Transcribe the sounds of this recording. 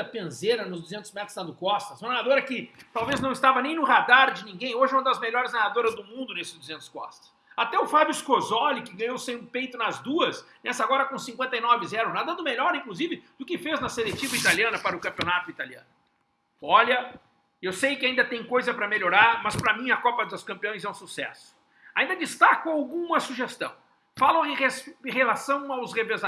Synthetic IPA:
ɐpɐ̃zeɾɐnʊzd̪uzẽnt̪ʊzmɛ̃t̪ɾʊznɐd̪ʊkɔst̪ɐsnanad̪oɾɐkɪt̪awveznɐ̃w̃ɪst̪avɐnẽj̃nʊhad̪aɾd͡ʒɪnĩɡẽj̃oʒɪɛũmɐd̪ɐzmeʎɔɾɪzanad̪oɾɐzd̪ʊmũnd̪ʊnesɪzd̪uzẽnt̪ʊ̥skɔ̰st̪ɐ̥s | at̪ɛʊfabjʊɪskozɔlɪkɪɡɐ̃ɲ̃owsẽj̃ʊ̃pejt̪ʊnɐzd̪uɐsnʔɛsɐaɡɔɾɐkõsĩŋkwẽnt̪ɐinɔvɪzɛɾʊ̃nad̪ɐd̪ʊmeʎɔɾĩklʊzivɪd̪̥ʊkɪfeznɐselet͡ʃivɐit̪aliɐ̃nɐpaɾɐʊkɐ̃mpʲionat̪ʊit̪aliɐ̰̃nʊ | ɔʎɐ | ewsejkɪaĩnd̪ɐt̪ẽj̃kojzɐpɾɐmeʎoɾaɾmɐspɾɐmĩɐkɔpɐd̪ʊskɐ̃mpiɐ̃j̃zɛũsusɛ̰sʊ̥ | aĩnd̪ɐd͡ʒist̪akʊawɡũmɐsuʒest̪ɐ̰̃w̃ | falʊɪehelasɐ̃w̃awsʁeveza

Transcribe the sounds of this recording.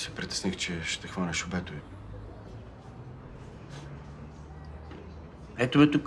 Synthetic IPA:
sɛ̥pɾit̪ɛ̥snixt͡ʃɛʃt̪ɛxvanʲɛʃobɛt̪ʊi | ɛt̪ʊbɛt̪ʊk

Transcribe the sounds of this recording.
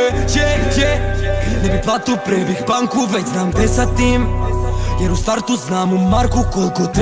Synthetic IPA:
t͡ʃɛkɛnɛbiplˠat̪opɾɛbixbaŋkʊvɛtznamd̪ɛsat̪ːim | jɛɾust̪aɾt̪uznamumaɾkʊkolˠkot̪

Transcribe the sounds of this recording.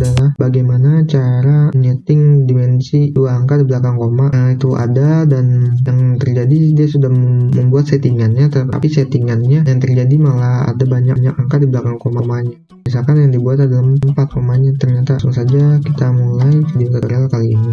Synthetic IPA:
dalahbaɡajmanat͡ʃaɾanɛt̪ɪŋdimɛnsiuwaaŋkadiblakankomait̪uʔa̰dadanjaŋt̪ərd͡ʒadidiasudahməmbuat̪̚set̪iŋanɲat̪əa̰piset̪iŋanɲajaŋt̪ərd͡ʒadimalaha̰dabaɲa̰kɲakaŋkadiblakankomamaɲa | mis̬alkanjaŋdibuat̪adalammmpat̪rumaɲat̪ərɲat̪asuŋsad͡ʒakit̪amulajpadiŋkətəɾalakalḭni

